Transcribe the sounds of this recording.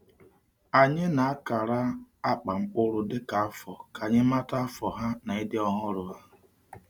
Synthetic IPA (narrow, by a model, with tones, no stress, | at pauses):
a˨ɲɪ˦na˨a˦ka˨ɾa˦a˦k͡pa˨ŋ͡m̩˦k͡pʊ˦ɾʊ˨dɪ˦ka˨a˦fɔ˨ka˨ɲɪ˦ma˦ta˦a˦fɔ˨ɦa˦na˨ɪ˦dɪ˦ɔ˦ɦʊ˦ɾʊ˨ɦa˦